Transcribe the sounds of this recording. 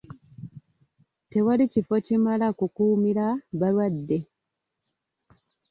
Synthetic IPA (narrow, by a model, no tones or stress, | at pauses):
te̞walicifo̞cimalakukuːmiɾaβalwadːe̞